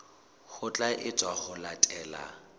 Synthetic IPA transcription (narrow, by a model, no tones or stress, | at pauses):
χʊt͡ɬʼaʔɪt͡sʼwaχʊlatʼɛːla̰